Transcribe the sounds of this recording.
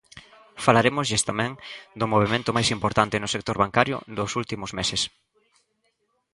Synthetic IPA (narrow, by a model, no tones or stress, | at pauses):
falaɾemʊzʎest̪amɛ̃ŋd̪ʊmoβ̞emẽnt̪ʊmajsimpoɾt̪ant̪ɪnʊsek̚t̪oɾβaŋkaɾjʊ̰d̪ʊsult̪imʊzmeses